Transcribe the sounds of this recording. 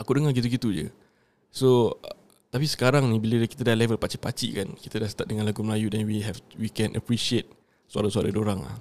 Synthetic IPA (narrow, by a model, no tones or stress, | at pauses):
akudəŋaɡit̪̬uɡit̪ud͡ʒə̰ | so | t̪apisə̥kaɾaŋnĩbilədəki̥t̪adahlɛvəlpat͡ʃipa̰t͡ʃḭkankit̪ədast̪at̚dəŋãnlaɡuməlajudɛnwiɦɛfwikɛnʔə̰pɾisiet̪̚ | sua̰ɾasaɾadoɾaŋla̰h